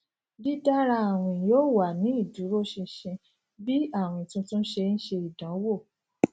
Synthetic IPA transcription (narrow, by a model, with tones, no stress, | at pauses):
bi˦da˦ɾa˧a˨w̃ĩ˧˨joː˦˨wa˨nĩ˨˦i˦˨du˨˦ɾo˦ʃĩ˧ʃɛ̃˧ | bi˦a˦˨w̃ĩ˧˨tũ˧tũ˦n̩˦ʃe˧n̩˦ʃe˧i˨dã˨˦wo˦˨